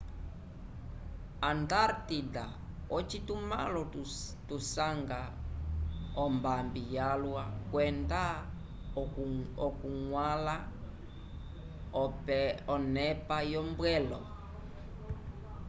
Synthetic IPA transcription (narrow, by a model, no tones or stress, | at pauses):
ant̪aɾt̪ida̰ | ɔt͡ʃituma̰lɔt̪usaŋɡa | ɔmbambijalwakwɛnda | ɔkuŋwala | ɔpɛɔnɛpajɔmbwɛlɔ